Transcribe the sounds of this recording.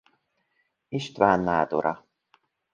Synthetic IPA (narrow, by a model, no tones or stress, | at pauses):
iʃt̪vaːnːaːd̪ṵɾʔa̰